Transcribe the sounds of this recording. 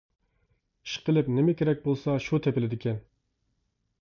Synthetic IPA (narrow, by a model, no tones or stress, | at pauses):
i̥ʃqʰəlˠɪpnɪmɪkʲʰeɾɛk̚ʲbolˠsɑʃut̪ʰepɪlɪd̪ɪkʲʰɛn